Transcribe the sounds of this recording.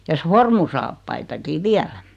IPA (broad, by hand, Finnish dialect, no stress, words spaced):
jɑ sformusɑːpːɑitɑki ʋiælæ